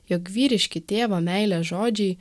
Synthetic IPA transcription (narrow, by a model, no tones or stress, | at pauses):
jokʋʲiːɾʲɪʃʲkʲɪt̪ʲeːʋɐmʲɛɪlʲɛʒoːd͡ʒʲɛɪ